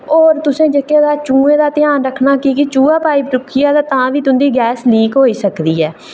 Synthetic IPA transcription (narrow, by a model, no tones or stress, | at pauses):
oːɾt̪ʊsẽːd͡ʒəkjeːd̪aːt͡ʃũːẽːd̪aːt̪ɪjaːnɾəkʰnaːkiːkɪt͡ʃũːaːpaːiːpʈʊkʰːijaːd̪aːt̪ãːʋiːt̪ʊnd̪iːɡɛːsliːkɦoːiːsəkd̪iːɛː